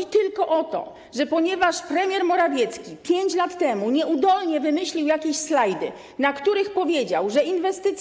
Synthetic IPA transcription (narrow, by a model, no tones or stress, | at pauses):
it̪ɘlkɔʔɔt̪ɔ̰ | ʐɛpɔɲɛvaʂpɾɛmʲjɛɾmɔɾavʲjɛt̪skʲipʲjeɲt͡ɕlat̪ːɛmuɲɛud̪ɔlɲɛvɘmɘɕlʲiwjakʲeɕslajd̪ɘ̰ | nakt̪uɾɘxpɔvʲjed͡ʑa̰wʐɛinvɛst̪ɘt̪sʲ